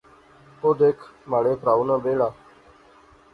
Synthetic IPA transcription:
oːd̪eːkʰmaːɽeːpɾaːuːnãːbeːɽaː

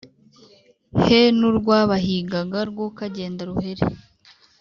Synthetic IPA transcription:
henuɾɡwaːβaɦiɡaɡaɾɡwokaɟe̞ːndaɾuhe̞ɾḛ

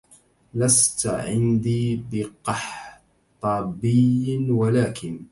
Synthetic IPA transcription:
last̪ʕɪ̰nd̪iːbɪqɑħ | t̪ˤɑːbɪjwalaːkɪn

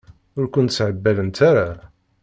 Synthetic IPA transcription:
ʊɾkʷʊnt̪sʕəbːælənt̪ʰaɾa

